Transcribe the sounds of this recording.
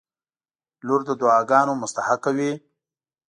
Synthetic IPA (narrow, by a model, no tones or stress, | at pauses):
luɾd̪əd̪ʊɑːɡɑːnomʊst̪ahakːawi